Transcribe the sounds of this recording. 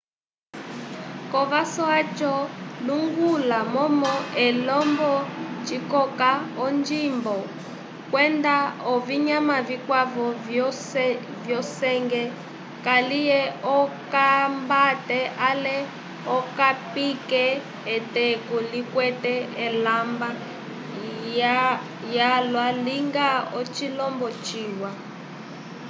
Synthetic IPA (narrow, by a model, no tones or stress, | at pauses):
kɔvasɔat͡ʃɔluŋɡulamɔmɔɛlɔmbɔt͡ʃikɔkaɔnd͡ʒimbɔ | kwɛndaɔviɲamavikwavɔvɔsvjɔsɛŋɡɛ | kalijɛɔkambatɛʔalɛ | ɔkapikɛː | tɛkɔlikwɛtɛɛlamba | jalwaliŋɡaɔt͡ʃilɔmbɔt͡ʃiːwa